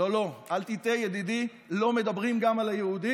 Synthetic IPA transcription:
o̞lo̞alt̪it̪ejed̪id̪i | lo̞me̞d̪abʁimɡamalajeud̪i

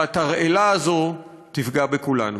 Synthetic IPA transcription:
at̪aʁʔelaːzo̞ | tifɡabekulanu

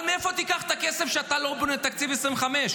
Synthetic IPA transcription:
meefot̪ikaχt̪akesefʃeat̪alobunet̪akt͡sivesʁĩmvχameʃ

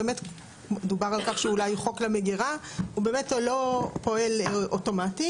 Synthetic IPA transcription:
emet | ed̪ubaʁalkaχʃeulajχo̞klameɡiʁaube̞ːme̞tlo̞po̞e̞lʔoto̞mati

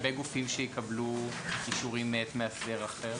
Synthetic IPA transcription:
beɡufimʃejikablukiʃuʁimːet̪measdeʁaχeʁ

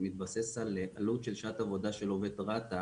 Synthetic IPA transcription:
mit̪̚basesaleʔalutʃelʃat̪avo̞daʃelovet̪ʁat̪a

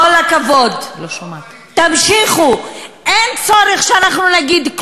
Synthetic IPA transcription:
olakavo̞d̪o | t̪amʃiχuʔent͡so̞ɾeχʃeanaχnunaɡid̪k

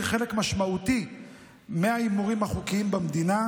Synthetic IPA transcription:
χe̞le̞kmaʃmaut̪i | meaimuʁimhaχukiimbamd̪ina

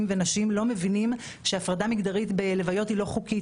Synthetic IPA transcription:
mvenaʃimlo̞mevinim | ʃeafʁadamiɡd̪aʁitbele̞vajo̞thilo̞χuki

